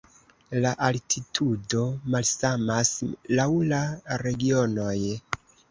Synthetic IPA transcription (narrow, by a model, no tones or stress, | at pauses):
laʔaltʰitʰudo̞malsamaslawlaɾe̞ɡio̞no̞j